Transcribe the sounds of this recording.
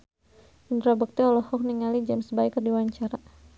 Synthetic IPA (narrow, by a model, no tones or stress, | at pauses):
indɾabək̚t̪iɔlɔhɔk̚niŋalid͡ʒamsəbaikːərdiwaɲt͡ʃaɾa